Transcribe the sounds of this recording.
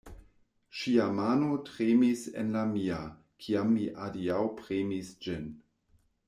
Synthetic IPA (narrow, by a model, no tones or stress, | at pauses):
ʃiamaːnotʁemisḛnlamia | kʰiamːiʔaliawpʁemisd͡ʒin